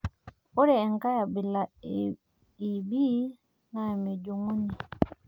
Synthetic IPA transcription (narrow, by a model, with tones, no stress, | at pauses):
ɔ˦ɾɛː˨ŋka˦ja˨bi˨la˨ | i˨bi˦ | na˦ɛ˨mi˨d͡ʒu˨ŋu˦ni˨